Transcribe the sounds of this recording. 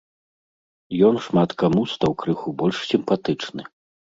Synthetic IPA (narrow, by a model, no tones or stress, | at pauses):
jɔnʂmat̪kamust̪awkɾɨxubɔlʲʂsʲimpat̪ɨt͡ʂnɨ̰